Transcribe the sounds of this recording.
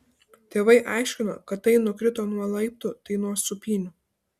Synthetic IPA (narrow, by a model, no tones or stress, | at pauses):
t̪ʲeːʋɐɪʔɑˑɪʃʲkʲɪno̰ːkɐt̪ːɐɪnʊkʲɾʲɪt̪oːnuɔlˠɐɪp̚t̪ʊt̪ɐɪnuɔsʊpʲiːnʲʊ